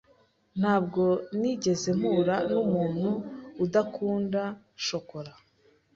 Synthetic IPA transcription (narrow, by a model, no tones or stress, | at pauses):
n̥haːbɡo̞niɟe̞ze̞m̥uːɾanumuːn̥huːdakʰuːnda | ʃo̞ko̞ɾa